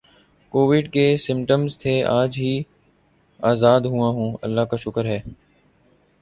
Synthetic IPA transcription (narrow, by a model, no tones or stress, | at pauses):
koːʋɪɖkeːsɪ̃mʈəmzt̪ʰeːaːd͡ʒɦiː | aːzaːd̪ɦuãːɦũːə̰lːaːkaːʃʊkəɾɦɛː